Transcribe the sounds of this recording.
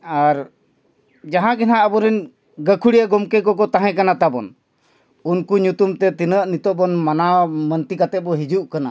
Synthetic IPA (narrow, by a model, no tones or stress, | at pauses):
aɾ | d͡ʒaɦãɡɛnãʔəbɔɾɛn | ɡəkʰuɽiaɡɔmkɛkɔkɔt̪ãɦɛ̃kanat̪abɔn | unkuɲut̪umt̪ɛt̪inəʔnit̪ɔbɔnmanamənt̪ikat̪ɛt̪̚bɔɦid͡ʒuʔkana̰